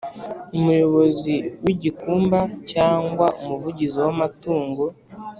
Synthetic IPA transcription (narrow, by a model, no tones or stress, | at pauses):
umujo̞βo̞ziwiɟikuːmbacaːŋɡwaʔumuvuɟiziwamatuːŋɡo